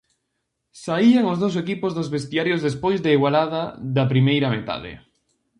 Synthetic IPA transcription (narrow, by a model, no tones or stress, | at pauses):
saiaŋozðows̬ekipozðozβest̪iaɾjozðespojzðeiɣwalað̞aðapɾimejɾamet̪a̰ðḛ